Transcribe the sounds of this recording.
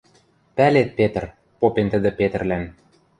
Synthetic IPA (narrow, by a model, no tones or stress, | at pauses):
pælet̪̚pet̪ə̆r | popent̪ə̆d̪ɘ̆pet̪ə̆rlæn